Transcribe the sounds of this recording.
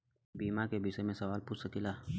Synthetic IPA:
biːmakebisemẽsɐʋaːlpuːt͡ʃsəkilaː

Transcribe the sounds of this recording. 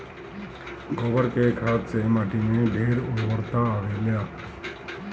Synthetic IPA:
ɡoːʋəɾkekʰaːt̪semaːʈineɖʱeːɾʊʋəɾt̪aːʋeljaː

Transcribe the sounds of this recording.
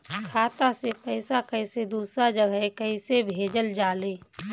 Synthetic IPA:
kʰaːt̪asepəɪsakəɪsed̪uːsɾad͡ʒəɡʱəekəisebʱeːd͡ʒəld͡ʒaːleː

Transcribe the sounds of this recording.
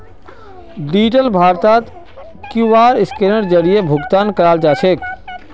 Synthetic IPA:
ɖiːd͡ʒʈəlbʱaːɾt̪aːt̪ | kuʋaːɾɪskeːɾəɽd͡ʒəɽijebʱʊɡt̪aːnkəɾaːld͡ʒaːt͡ʃʰeːk

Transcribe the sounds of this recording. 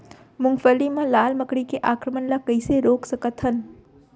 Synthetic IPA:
mʊŋɡfəlimɐ̃laːlməkɽikeʔaːkɾəmənlakəɪseɾoːksəkət̪ɦən

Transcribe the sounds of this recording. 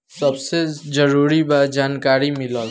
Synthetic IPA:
sɐbsed͡ʒəɾuːɾibad͡ʒaːnkaːɾimɪla

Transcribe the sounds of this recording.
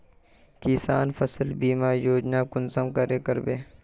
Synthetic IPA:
kiːsaːnfɐsəlbiːmaːjoːd͡ʒnaːkʊnsɐmkɐɾeːkɐɾbeː

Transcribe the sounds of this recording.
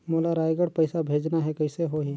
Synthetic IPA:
moːlaɾaːjɡəɽpɐɪsabʱeːd͡ʒnaɦɛkɐɪseɦoɦi

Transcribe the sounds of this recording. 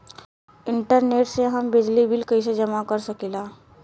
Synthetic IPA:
ɪ̃ɳʈəɾneːʈseɦɐmbɪd͡ʒlibɪlkɐis̬ed͡ʒɐmakəɾsɐkilaː

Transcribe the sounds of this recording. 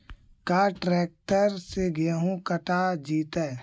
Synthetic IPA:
kaːʈɾɛːk̚ʈəɾseɡɪəɦũkəʈad͡ʒiːt̪ɛː

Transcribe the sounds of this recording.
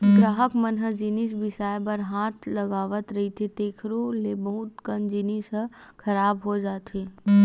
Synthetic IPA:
ɡɾaːɦəkmənɦəd͡ʒinisbɪsaːjbəɾɦaːt̪ʰlɐɡaːʋət̪ɾɐɦit̪ʰet̪eːkʰɾolebɐɦʊt̪kənd͡ʒinisəkʰɐɾaːbɦod͡ʒaːt̪ʰeː

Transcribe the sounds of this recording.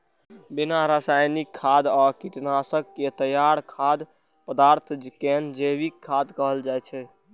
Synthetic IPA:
binaɾasajnikʰːad̪ɔkiʈnasəkːet̪əjaɽkʰad̪ | pəd̪aɾt̪ʰd͡ʒkɛnd͡ʒebikʰːad̪kəɦəld͡ʒajt͡ʃʰɛ

